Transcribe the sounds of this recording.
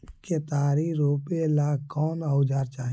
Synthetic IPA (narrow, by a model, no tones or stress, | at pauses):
ket̪aːɾiɾoːpelaːkɔːnaʊd͡ʒaːɾt͡ʃaːɦ